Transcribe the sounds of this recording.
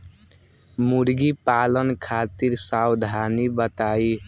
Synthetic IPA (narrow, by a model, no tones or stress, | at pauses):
muɾɡipalənkʰat̪iɾsawd̪ʱanibʌt̪ai